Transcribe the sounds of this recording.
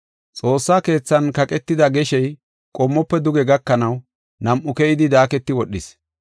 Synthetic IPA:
t͡sʼo̞ːsːaːke̞ːt͡sːɐnkɐkʼɛt̪ːɪd̪ɐɡɛʃɛj | kʼɔmːɔpːɛd̪ʊɡɛɡɐkːɐnɐw | nɐmʔʊkɛjɪd̪ɪd̪aːkɛt̪ːɪwɔɗːɪs

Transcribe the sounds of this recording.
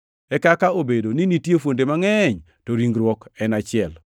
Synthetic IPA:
ɛkakaobedoninitjefwondemaŋɛɲ | toɾiŋɡɾwɔkɛnat͡ʃɪɛl

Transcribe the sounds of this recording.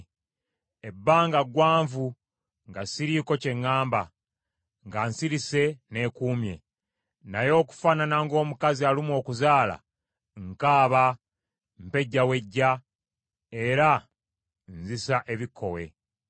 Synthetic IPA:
e̞bːaːŋɡaɡwaːɱvu | ŋɡasiɾiko̞ce̞ŋːaːmba | ŋɡansiɾise̞ne̞ːkuːmje̞ | najo̞ːku̥fananaŋɡo̞ːmukazialimwo̞ːkuzaːla̰ | ŋkaːβa | mpe̞ɟːawe̞ɟːa | e̞ɾa | nzisaʔe̞βikʰːo̞̰we̞̰

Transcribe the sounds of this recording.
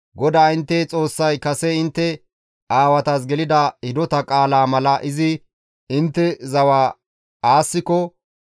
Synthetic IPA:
ɡɔd̪aːɪnt̪ːɛt͡sʼo̞ːsːɐjkɐsɛɪnt̪ːɛ | ʔaːwɐt̪ɐs̬ɡɛlɪd̪ɐhɪd̪ɔt̪ɐkʼaːlaːmɐlɐʔɪzɪ | ɪnt̪ːɛzɐwaː | aːsːɪkɔ

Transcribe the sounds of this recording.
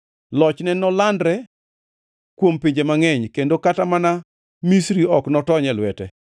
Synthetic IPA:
lɔt͡ʃnɛnɔlandɾɛ | kwompiɲd͡ʒemaŋɛɲkendokatamana | misɾiɔknɔtɔɲɛlwɛtɛ

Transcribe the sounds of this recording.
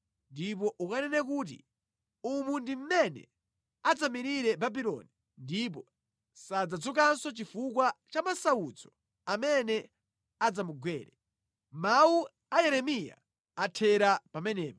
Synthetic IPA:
ndip̬ɔʔukanɛnɛk̬uːt̬ḭ | umundim̩mɛnɛ̰ | ad͡zamiɾiɾɛbabilɔ̰ni | ndip̬ɔ | sad͡zad͡zuk̬ansɔt͡ʃifukwat͡ʃamasaud͡zɔ | amɛnɛ | ad͡zamuɡwɛːɾɛ | mawu | ajɛɾɛmija̰ | atʰɛɾapamɛnɛːpa

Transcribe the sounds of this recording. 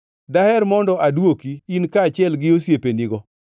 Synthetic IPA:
dahɛɾmɔndɔʔadwokiinkaːt͡ʃɪɛlɡɪosjepeniɡɔ

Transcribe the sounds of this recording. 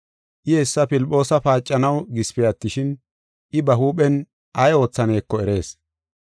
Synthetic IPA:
ʔɪɛsːɐpɪlpʼːo̞ːsɐpaːt͡ʃʼːɐnɐwɡɪspɛjɐt̪ːɪʃɪn | ʔɪbɐɦuːɓɛn | ɐjo̞ːt͡sːɐne̞ːkːɔɛɾe̞ːs

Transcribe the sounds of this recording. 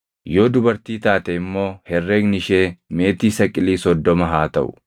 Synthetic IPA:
jo̞ːd̪ʊbɐɾt̪iːt̪aːt̪ɛɪmːo̞ːhɛrːeːɡnɪʃeːme̞ːt̪iːsɐkʼɪliːsɔd̪ːɔmɐɦaːt̪ɐʔʊ̰

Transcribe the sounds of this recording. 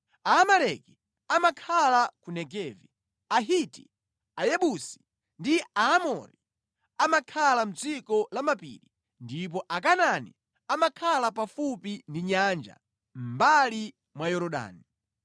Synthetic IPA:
aːmalɛki̥ | amakʰalakunɛɡɛvḭ | aɦitḭ | ajɛɓusi̥ | ndiaːmɔ̰ɾḭ | amakʰalam̩d͡zikɔlamapḭɾi | ndip̬ɔʔakananḭ | amakʰalapafupindiɲand͡ʒa̰ | m̩bali | mwajɔɾɔɗa̰ːni

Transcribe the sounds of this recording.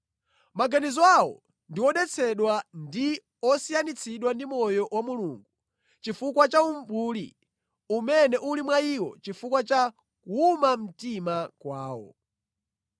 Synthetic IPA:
maɡanizɔawɔ̰ | ndiwɔɗɛt͡sʰɛɗwandi | ɔsijanit͡sʰiɗwandimɔjɔwamuluːŋɡu | t͡ʃifukwat͡ʃaumbuːlḭ | umɛnɛʔulimwaiwɔ̰t͡ʃifukwat͡ʃa | kuumam̩timakwaːwɔ̰

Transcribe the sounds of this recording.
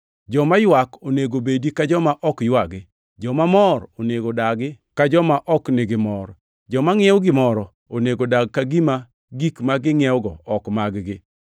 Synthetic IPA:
d͡ʒɔmajwakoneɡobedikad͡ʒɔmaʔɔkjwaɡɪ | d͡ʒɔmamɔɾoneɡodaɡɪkad͡ʒɔmaʔɔkneɡɪmɔɾ | d͡ʒɔmaŋɪɛwɡɪmɔɾɔ | oneɡodaɡ̚kaɡima | ɡikmaɡɪŋɪɛwɡɔɔkmaɡɡɪ

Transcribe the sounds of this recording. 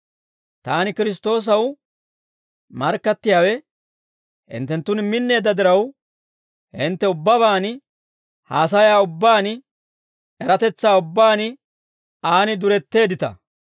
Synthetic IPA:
t̪aːnɪkɪɾɪs̬t̪o̞ːs̬ɐw | mɐɾkːɐt̪ːɪjaːwɛ | hɪ̰nt̪ːɛnt̪ːʊnmɪnːe̞ːd̪ːɐd̪ɪɾɐw | hɪnt̪ːɛʊbːɐβaːn | haːs̬ɐjaːʊbːaːn | ɛɾɐt̪ɛt͡sːaːʊbːaːnɪ | aːnɪd̪ʊɾɛt̪ːe̞ːd̪ɪt̪ɐ̰

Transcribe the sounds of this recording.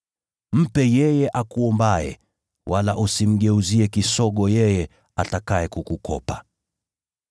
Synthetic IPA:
m̩pɛjɛjɛʔakuɔmbaɛ̰ | wʔalaʔusim̩ɠɛuziɛkisɔɠɔjɛjɛ | atakaɛkukukʰɔ̰pa

